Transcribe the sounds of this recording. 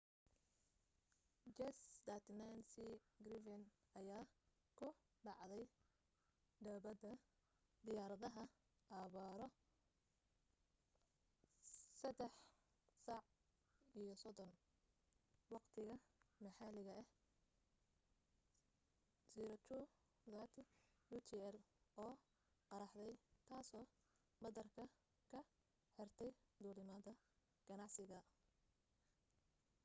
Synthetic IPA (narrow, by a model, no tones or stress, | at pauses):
d͡ʒɛsd̪ɐt̪nansiɡɾɪfɪn | ɐjaː | kʰʊ | ɖɑʕðɛj | d̪ɐːβɐd̪ɐ | d̪ɪjaːɾɐðɐɦɐ | ʔaːβaːɾɔ | sɐd̪ɛħ | sɑʕ | ijɔsɔdɔn | wɑqt̪ʰɪɣɐmɐħalɪɣɐɛh | siːɾɐt͡ʃu | ðaːt̪ʰɪjut̪ʰiɛl | ɔː | qɑɾɑħd̪ɛjt̪ʰaːsɔː | bɐðɐrkʰɐ | kʰɐ | ħɪrt̪ʰɛjd̪uːlɪmɐðɐ | ɡ̥ɐnɑʕsɪɣɐ